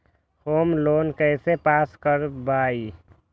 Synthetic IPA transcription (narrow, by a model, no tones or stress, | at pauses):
hoːmloːnkəɪsepaːskəɾbaːi